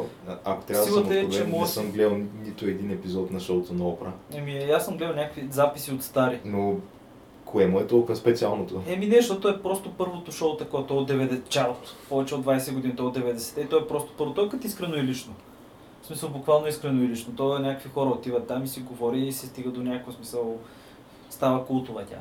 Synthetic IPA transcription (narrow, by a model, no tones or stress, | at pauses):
ɐko̥t̪ɾasavd̪ilˠot̪ɛvt͡ʃɛmɔɛsəmɡlɛlˠnit̪ʊɛd̪inɛpizɔt̪nɐʃowt̪onɐɔpɾəɛmijasːəmɡlɛd̪ənʲakəkvizapisiot̪st̪aɾino | kʰoɛmoɛt̪ɔlˠkəspɛt̪sialˠnot̪oɛminɛʃt̪ot̪ɔɛpɾɔst̪opɤɾvot̪oʃot̪ɐkoɛt̪ʊɛod̪ɛvɛd̪t͡ʃaɾt̪pɔvɛt͡ʃɛod̪vajsɛɡod̪init̪ɔɛod̪ɛvɛd̪ɛsɛ̥t̪ɛit̪ɔɛpɾɔst̪o̥pɤɾvot̪ɔkət̪iskɾɛnoɛlit͡ʃno | smisəlˠbʊkvalˠnoiskɾɛnoɛlit͡ʃnot̪ɔɛnʲakəkvixɔɾəot̪ivət̪ːamisiɡovɔɾiːsɛst̪iɡəd̪onʲakkəsmisəlˠ | st̪avɐkulˠt̪ʊvət̪ʲa̰